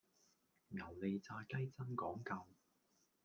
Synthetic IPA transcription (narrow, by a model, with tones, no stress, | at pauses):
ŋɐ˨˩wle˨jt͡saː˧kɐ˥jt͡sɐ˥nkɔː˨˥ŋkɐ˧w